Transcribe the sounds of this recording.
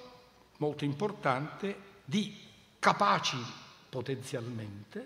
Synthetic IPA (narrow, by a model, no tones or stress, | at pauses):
mɔlt̪oimport̪ant̪ɪd̪i | kapaːt͡ʃipot̪ɛnt̪sjalmɛnt̪ɪ